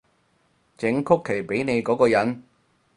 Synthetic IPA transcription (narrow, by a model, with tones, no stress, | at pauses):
t͡sɪ˨˥ŋkʰʊ˥kʰːe˨˩jpe˨˥jne˨˧jkɔː˨˥kɔː˧jɐ˨˥n